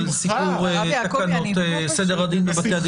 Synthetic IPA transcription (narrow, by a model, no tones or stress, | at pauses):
lsipuʁtakanote | sed̪eʁad̪inbebat̪ead̪